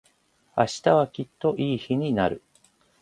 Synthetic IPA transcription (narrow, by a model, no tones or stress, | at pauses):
a̰ɕi̥t̪aβakʲit̪ːo̞ʔiːçiɲ̟inaɾɯ̟